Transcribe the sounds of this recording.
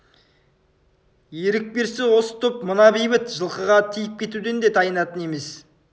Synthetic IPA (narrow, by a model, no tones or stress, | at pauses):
eɾɪk̚be̞ɾsɪwo̞sə̥t̪ʰʊpmʊnɑbejbɪt̪ʒəlˠqəʁɑt̪ʰijɪp̚kʲʰe̞t̪ud̪e̞nd̪e̞t̪ʰɑjənɑt̪əne̞me̞s